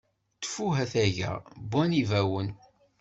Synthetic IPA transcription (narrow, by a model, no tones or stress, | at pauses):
t̪ːfuɦæθæʝæ̰bænivæwən